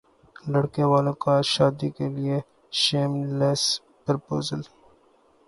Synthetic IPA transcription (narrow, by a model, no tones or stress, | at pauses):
lɐɽkeʋaːlõkaʃaːd̪ikelie | ʃeːmles | pɾpoːzəl